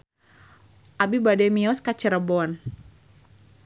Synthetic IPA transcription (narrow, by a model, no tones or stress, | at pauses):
ʔabibadɛmiɔskat͡ʃəɾəbɔn